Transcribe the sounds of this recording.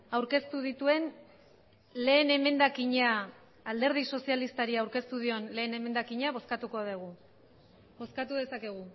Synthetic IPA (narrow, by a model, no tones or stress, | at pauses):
awɾke̞st̪uð̞it̪ue̞n | le̞ːne̞me̞nd̪akiɲeaː | ld̪e̞ɾð̞iso̞sialist̪aɾiawɾke̞st̪uðio̞nle̞ːne̞me̞nd̪akiɲaβo̞skat̪uko̞ðeɣ̞u | bo̞skat̪uðe̞sake̞ɣ̞u